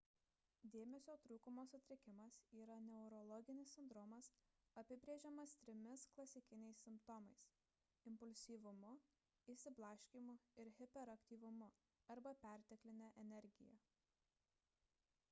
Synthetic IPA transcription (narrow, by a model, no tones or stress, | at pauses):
d̪ʲeːmʲɛsʲoːt̪ɾuːkʊmoːsʊt̪ʲɾʲɪkʲɪmɐsiːɾɐnʲɛʊɾɔlˠɔɡʲɪnʲɪsːʲɪnd̪ɾɔːmɐs | ɐpʲɪbʲɾʲeːʒʲɛmɐst̪ʲɾʲɪmʲɪsklˠɐsʲɪkʲɪnʲɛɪsːʲɪmpt̪ɔmɐɪs | ɪmpʊlʲsʲiːʋʊmʊ | iːsʲɪblˠɑːʃʲkʲimʊɪɾɦʲɪpʲɛɾɐkʲt̪ʲiːʋʊmʊ | ɐɾbɐpʲæˑɾʲt̪ʲɛklʲɪnʲɛʔɛnʲɛɾʲɡʲɪ̰jɛ̰